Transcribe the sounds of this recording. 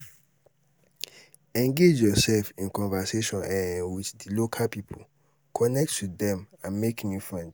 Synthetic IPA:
ɛ̃ŋɡed͡ʒjɔsɛlfĩnkɔ̃nvaseʃɔ̃nãwiθdilokʰalpipʰo | kʰɔnɛk̚twidɛ̃mãnmekĩŋjĩfɹɛ̃nd

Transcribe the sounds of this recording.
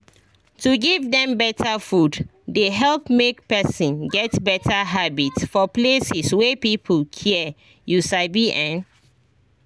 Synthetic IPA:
tuɡivdɛ̃mbɛtʰafud | deɦɛlˠpmek̚pɛsɔ̃nɡɛtbɛtʰaɦabitsfɔplesiswɛpipʰəlkʰiɛ | jusaɪbiʔɛ̃n

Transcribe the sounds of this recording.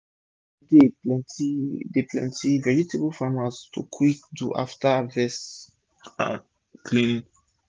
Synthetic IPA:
depɛ̃ntideplɛ̰̃ntʰivɛɹutʰeblfãmastʰṵkʰwikduʔa̰ftavɛs | ã̰n | kʰlĩn

